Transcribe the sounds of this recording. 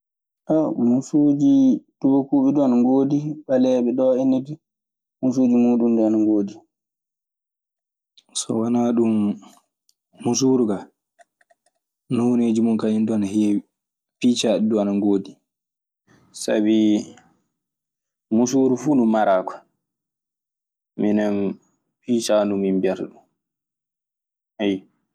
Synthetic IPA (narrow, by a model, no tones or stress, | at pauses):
ʔamusud͡ʒid̥ubokuːɓɛduanaŋɡoːdiɓalɛːɓɛɗɔenidi | musuːd͡ʒimuːɗumdɛanaŋɡoːdi | sɔ̰wanaːɗum | usuːɾuɡa | nɔwoneːd͡ʒimɔnkajinduanahi | piːt͡ʃaɗduanaŋɡoːdi | sa̰bi | musuɾufunumaɾaːkʰɔ̥ | minɛn | pit͡ʃanuminbɛɾɗum | hɛj